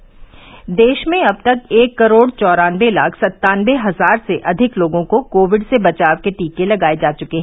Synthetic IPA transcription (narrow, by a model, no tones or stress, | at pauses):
d̪eːʃmẽɐb̚t̪ɐkeːkːɐɾoːɽt͡ʃɔːɾaːnʋelaːkʰsɐt̪ːaːnʋeɦɐzaːɾseʔɐd̪ʱɪkloːɡõkokoːʋɪɖsebɐt͡ʃaːʋkeʈiːkelɐɡaːed͡ʒaːt͡ʃʊkeɦɛ̃